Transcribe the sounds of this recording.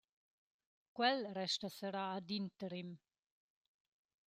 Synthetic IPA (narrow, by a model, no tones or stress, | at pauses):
kwɛlrɛʃt̪əsəɾaːd̪int̪əɾim